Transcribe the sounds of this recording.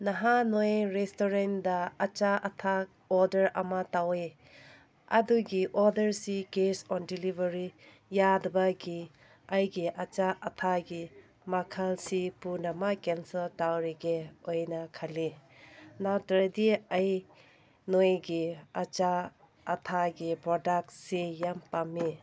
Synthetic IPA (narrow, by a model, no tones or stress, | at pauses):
nɐɦanojɾestoɾendɐːt͡ʃaʔɐtʰa | ɔɾdɐɾɐ̰mɐtawe | ɐ̰duɡiʔɔdɐɾsikesɔndilibɐɾi | jadɐbɐɡi | ajɡiʔɐt͡ʃaʔɐtʰaɡi | makʰalsipunɐmakensɐltawɾiɡeojnɐkʰali | natɐɾdiaj | nojɡiat͡ʃaː | tʰaɡipɾɔdak̚t̚sijampamːi